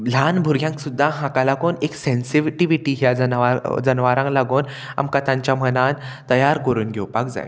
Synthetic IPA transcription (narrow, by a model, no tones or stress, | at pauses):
l̤anbʱuɾɡʱjãŋksud̪ʱːaɦãkalakoːneksensiʋʈiʋiʈiːɦjad͡zənʋaɾd͡zənʋaɾãŋklaɡoːn | a̰mkət̪ãɲt͡ɕjamənant̪əjaɾkəɾuːnɡʱɛwpak̚d͡za̰j